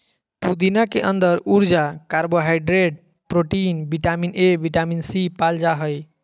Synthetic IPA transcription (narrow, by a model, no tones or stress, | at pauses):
t̪ud̪inakeʔənd̪əɾuɾd͡ʒakaɾboɦajɖɾeɖ̚ | pɾoʈinbiʈaminebiʈaminsipald͡ʒaɦəj